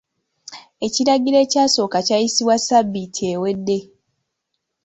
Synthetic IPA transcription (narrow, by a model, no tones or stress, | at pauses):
e̞ciɾaɡiɾe̞ːcaːsoːkacajisiβwasabːitʰiewe̞dːe̞